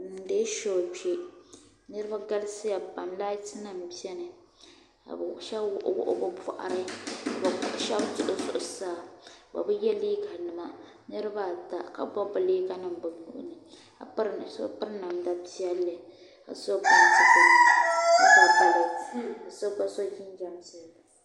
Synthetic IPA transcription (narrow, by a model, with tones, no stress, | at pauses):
de˦ʃo˨pe˨ | nɨ˦ɾɨ˦ba˦ɡa˦lsɨ˦ja˨ba˨mla˦tɨ˦na˨m˨bi˦ɛ˦nɨ˨ | ka̰˨bʃa˦bwʊ˨ʔwʊ̰˦˨ʔʊ̰˦bʊ˨pɔ̰˨ʔa̰˨ɾɨ˦ka˨ba˨˦ʔʃɛ˦btʊ˦˨ʔʊ˨zʊ̰˨ʔʊ˦saː˦˨ba̰˨bɨ˦jɛ˦li˦ka˨nɨ˨ma˨ | nɨ˦ɾɨ˦ba˦˨ta˨ka̰˦bɔ˦bɨ˨leː˦ka˦nɨ˨mbɨ˨nṵ˨ʔʊ̰˦nɨ˨ | ka̰˨pɾso̰˦pɨ˦ɾna˨mda˦bi˦ɛ˦lːɨ˨ | ka̰˨so˦ba˦˨tɨ˨ta˨n˨˦ba˨ba˨lɨ˨ka˨so˦ba˦so˦ʒi˦n˦d͡ʒa˨msɨ˦˨